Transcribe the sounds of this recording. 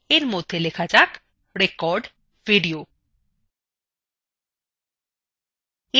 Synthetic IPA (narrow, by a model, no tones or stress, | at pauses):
eɾmod̪ʱːelekʰad͡ʑak | ɾekɔɾɖ | v̥iɖio | e